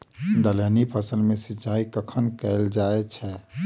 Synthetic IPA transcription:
d̪ələnipʰəsəlmesit͡ʃaikəkʰənkɛld͡ʒaɛt͡ʃʰɛ

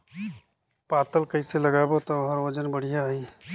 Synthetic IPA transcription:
paːt̪əlkəiselɐɡaːbot̪oɦəɾʋəd͡ʒənbəɽ̤ijaiː

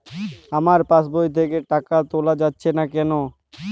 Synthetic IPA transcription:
amaɾpasbojt̪ʰekeʈakat̪olad͡ʑatːɕʰenakɛno

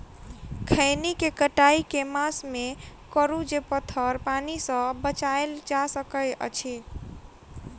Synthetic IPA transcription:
kʰəɪnikekəʈaikemasmekəɾud͡ʒepət̪ʰəɾpanisə̃bət͡ʃaeld͡ʒasəkəə̰t͡ʃʰi

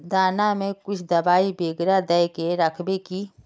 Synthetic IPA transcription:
d̪aːnamẽkʊt͡ʃʰd̪ɐbaːibeːɡɾad̪ɛjkeɾɐkʰbekiː

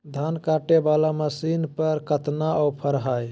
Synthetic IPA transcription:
d̪ʱankaʈebalaməsinpəɾkət̪naʔɔwpʰəɾɦaj

